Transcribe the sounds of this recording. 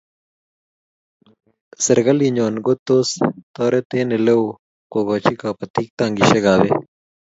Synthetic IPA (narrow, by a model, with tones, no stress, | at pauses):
se˨ɾɡɐ˦li˨ɲo˨nɡo˦t̪o˦st̪ɔː˦ɾʔe˦t̪e˦ne˨le˦w | ko˨ɡa˨t͡ʃi˦ka˨pat̪i˦k̚t̪aŋɡi˨ʃe˦ɡa˨βe˦